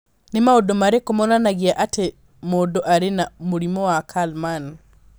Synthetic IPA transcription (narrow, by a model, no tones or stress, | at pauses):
nimaodomaɾekomɔnanaɣiaʔate | modoʔaɾenamuɾimɔwakʰalman